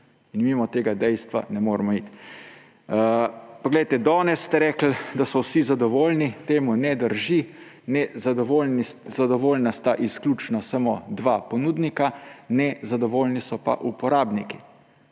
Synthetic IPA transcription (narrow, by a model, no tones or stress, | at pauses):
inmimɔt̪eːɡad̪ɛjst̪ʋa̰nɛmoːɾmɔit̪ | pɔɡlɛjt̪ɛd̪ɔːnɛst̪ɛɾɛːkl̩d̪asɔwsizad̪ɔʋoːlnit̪eːmunɛd̪əɾʒi | nɛzad̪ɔʋolnizad̪ɔʋoːlnast̪aʔisklʲuːt͡ʃnasamod̪ʋapɔnuːd̪nikanɛzad̪ɔʋoːlnisɔpa̰ʔupɔɾaːbniki